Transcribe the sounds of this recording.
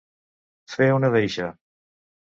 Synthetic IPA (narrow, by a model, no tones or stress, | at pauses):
feunəðejʃə